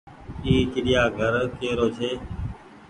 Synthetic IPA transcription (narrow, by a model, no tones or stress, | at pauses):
iːt͡ʃɪɗɪjaːɡʱəɾkeːɾoːt͡ʃʰeː